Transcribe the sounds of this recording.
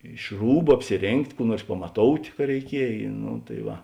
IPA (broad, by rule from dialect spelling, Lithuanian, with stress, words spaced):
ɪʃ ˈruːbʊ ɐpʲsʲɪˈrʲeːŋktʲ ˈkuː ˈnuɔrs pɐmɐˈtoːʊtʲ kɐ rʲɛɪˈkʲiɛj noː tɐɪ ˈʋɐ